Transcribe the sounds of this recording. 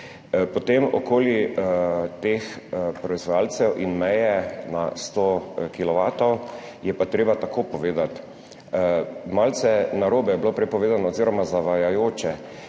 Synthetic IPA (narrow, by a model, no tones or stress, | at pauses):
pɔt̪emɔkoːlji | t̪expɾɔizʋɔjalsɛwʔinmɛjɛna̰st̪okilɔʋaːt̪ɔwjɛpat̪ɾeːbat̪akoːpɔʋeːd̪at̪ | malt̪sɛnaɾoːbɛjɛblopɾɛpɔʋeːzanɔːziːɾɔmazaʋajajoːt͡ʃɛ